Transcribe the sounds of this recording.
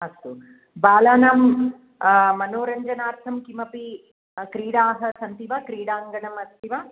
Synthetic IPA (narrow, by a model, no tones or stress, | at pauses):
ɐst̪u | baːlaːnaːm | ɐnoːɾɐɲd͡ʒɐnaːɾt̪ʰɐmkimɐpi | kɾiːɽaːɦɐ̆sɐnt̪iʋaːkɾiːɽaːŋɡɐnɐmɐst̪ʰiʋa